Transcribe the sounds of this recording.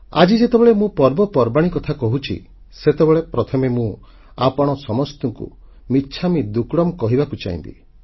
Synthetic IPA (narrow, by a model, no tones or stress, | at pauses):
a̰d͡ʒid͡ʒet̪ebeɭemũpɔɾbɔpɔɾbaɽ̃ikɔt̪ʰakɔɦut͡ʃʰḭ | set̪ebeɭepɾɔt̪ʰɔmemũ | apɔɽ̃ɔsɔmɔst̪ɔŋkṵ | miːt͡ʃʰamid̪ukɽɔmkɔɦibakut͡ʃa̰ḭnt̪ḭ